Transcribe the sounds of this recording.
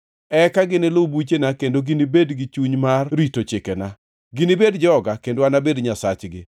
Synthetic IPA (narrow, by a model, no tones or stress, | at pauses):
ɛkaɡɪnɪlobut͡ʃenakendoɡɪnibedɡɪt͡ʃuɲmarɾitot͡ʃɪkɛna | ɡɪnɪbedd͡ʒɔɡakendoanabedɲasat͡ʃɡɪ̰